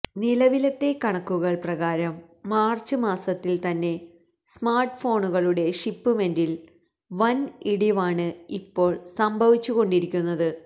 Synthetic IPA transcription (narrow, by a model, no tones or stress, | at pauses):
nilɐʋilɐt̪ːe̞kɐɳɐkːuɣɐɭprɐɣaːɾɐmː | aːrt͡ɕːɨmaːsɐt̪ːilt̪ɐnːe̞ | smaːrʈɨfo̞ːɳuɣɐɭuɽe̞ʂipːɨmendil | ʋɐniɽiʋaːɳɨipːo̞ːɭsɐmbʱɐʋit͡ɕːuɣo̞ɳɖiɾikʲːunːɐðɨ